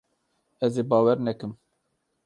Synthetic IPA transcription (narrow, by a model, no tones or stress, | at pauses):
ɛzeːbɑːwɛɾnɛkɨm